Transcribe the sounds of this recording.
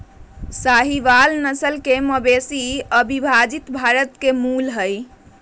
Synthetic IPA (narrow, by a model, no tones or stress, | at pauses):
saɦiʋalnəsəlkeməbesiəbʱibʱad͡ʒit̪bʱaɾət̪kemulɦəj